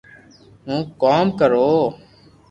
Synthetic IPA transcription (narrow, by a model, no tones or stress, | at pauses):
ɦũːkoːmkəɾoː